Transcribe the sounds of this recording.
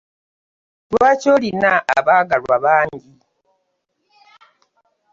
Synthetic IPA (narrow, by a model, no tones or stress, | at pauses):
twaːcoːlinaʔa̰βaːɡalwaβaːɲɟi